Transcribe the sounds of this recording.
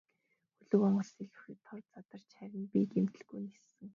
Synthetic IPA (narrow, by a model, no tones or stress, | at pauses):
xɵɮɵ̆kɔɴɢə̆ɮsiɮxɘ̆t̪ʰːɔrt͡sat̪ə̆r̥t͡ɕχæɾʲɪ̆npiːkemt̪ɘ̆ɮɡujnesɘ̆ŋ